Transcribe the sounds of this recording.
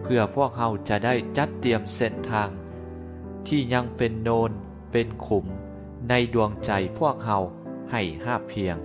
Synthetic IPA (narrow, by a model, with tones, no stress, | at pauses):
pʰɯ˧˩ɐpʰu˥˩ək̚ha˧˩wt͡ɕa˨˧˩ʔdaː˥˩jt͡ɕa˦˥t̪ːi˧əmse˥˩nt̪ʰaː˧ŋ | t̪ʰiː˥˩ɲa˧ŋpe˧nːoː˧n | pe˧nkʰu˩˦m | na˧jdu˧əŋt͡ɕa˧jpʰu˥˩ək̚ha˧˩w | ha˧˥˩jhaː˥˩pʰːi˧əŋ